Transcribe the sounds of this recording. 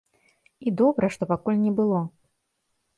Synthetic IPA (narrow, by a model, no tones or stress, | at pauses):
id̪ɔbɾɐʂt̪ɔpakulʲnʲɛbɨlˠɔ